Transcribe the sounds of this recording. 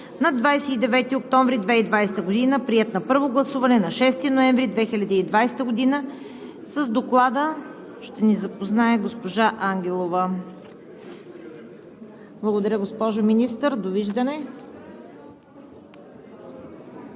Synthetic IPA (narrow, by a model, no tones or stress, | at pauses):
nɐd̪vajsɛid̪ɛvɛt̪iok̚t̪ɔɱvɾid̪vɛid̪vajsɛ̥t̪əɡod̪inəpɾiɛt̪nɐpɤɾvoɡlˠɐsuvɐnɛnɐʃɛst̪inoɛɱvɾid̪vɛxilʲɐd̪iːd̪vajsɛ̥t̪əɡod̪inə | səzd̪oklˠad̪ə | ʃt̪ɛnizɐpoznaɛɡospoʒaʔaŋɡʲɛlˠovə | blˠɐɡod̪ɐɾʲəɡospɔʒominist̪əɾd̪oviʒd̪ənɛ